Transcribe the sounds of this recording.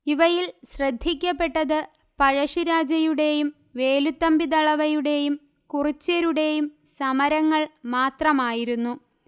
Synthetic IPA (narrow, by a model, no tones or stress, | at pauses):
iʋɐjilɕrɐd̪ʱːikʲːɐpːe̞ʈːɐðɨ | pɐɻɐʂiɾaːd͡ʑɐjuɽe̞jum | ʋe̞ːlut̪ːɐmbid̪ɐɭɐʋɐjuɽe̞jum | kurit͡ɕːɐɾuɽe̞jum | sɐmɐɾɐŋːɐɭmaːt̪rɐmaːjiɾunːu